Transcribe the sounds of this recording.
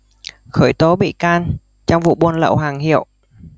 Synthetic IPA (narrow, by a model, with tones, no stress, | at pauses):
xəː˧˩jt̪o˨˦ɓḭ˧˨kaː˧n | t͡ɕɔ˧wŋ͡mvṵ˧˨ɓu˧ənlə̰˧˨wɦaː˨˩ŋhḭ˧˨əw